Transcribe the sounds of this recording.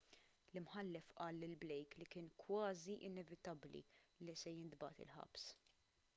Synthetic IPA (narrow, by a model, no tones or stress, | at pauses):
lɪmħɐlːɛfʔɐːlːɪlblɛjklikɪːnkwɐːziʔɪnɛvɪt̪ɐblḭlisɛjɪnd̪bɐ̰t̪ɪ̰lħɐ̰ps